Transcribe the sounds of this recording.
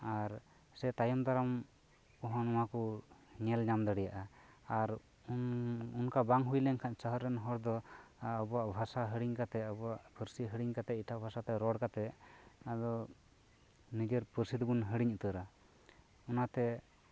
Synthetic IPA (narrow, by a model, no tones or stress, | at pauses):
aɾ | sɛt̪ajɔmd̪aɾam | kɔɦɔ̃nɔwakɔɲɛlɲamd̪əɽɛjaʔaaɾ | ununkabaŋɦujlɛɲkʰansəɦəɾːɛnɦɔɾd̪ɔaəbɔaʔbʱasaɦəɽiɲkat̪ɛəbɔaʔpʰəɾsiɦəɽiɲkat̪ɛiʈʰabʱasat̪ɛɾɔɽkat̪ɛad̪ɔ | nid͡ʒɛɾpəɾsid̪bunɦəɽiɲut̪əɾa | ɔnat̪ɛ